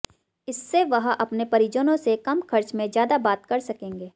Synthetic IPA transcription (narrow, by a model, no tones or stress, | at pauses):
ɪsːeʋɐɦʔɐpnepɐɾid͡ʒənõsekɐmkʰɐɾt͡ʃmẽzjaːd̪abaːt̪kɐɾsɐkẽːŋɡeː